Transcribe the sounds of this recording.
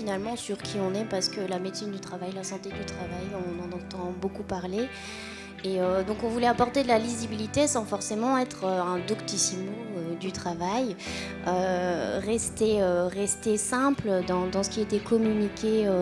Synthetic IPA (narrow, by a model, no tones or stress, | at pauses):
finalmɑ̃syʁkʲʰiɔ̃nɛpaʁsə̥kəlamet̪sind̪yt̪χavajlasɑ̃t̪ed̪yt̪χavajɔ̃nɑ̃nɑ̃t̪ɑ̃bokupaʁle | eød̪ɔ̃kɔ̃vulɛapɔʁt̪ed̪əlalizibilit̪esɑ̃fɔʁsemɑ̃ɛt̪χøɛ̃d̪ɔkt̪isimoød̪yt̪χavaj | øʁɛst̪eøʁɛst̪esɛ̃pld̪ɑ̃d̪ɑ̃sə̥kʲiet̪ɛkɔmynikʲeø